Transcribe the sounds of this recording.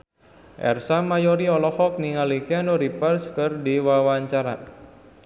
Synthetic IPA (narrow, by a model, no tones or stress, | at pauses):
ʔɛ̰rsamajɔɾiɔlɔhɔk̚niŋalikianuɾipərskərdiwawaɲt͡ʃaɾa